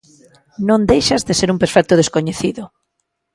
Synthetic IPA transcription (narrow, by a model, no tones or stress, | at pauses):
nõnd̪ejʃɐzðeseɾumpeɾfɛk̚t̪ʊð̞eskoɲeθiðʊ